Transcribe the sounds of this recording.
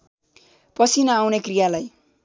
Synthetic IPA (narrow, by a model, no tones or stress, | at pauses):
pʌsʰinʌawnekrijalaj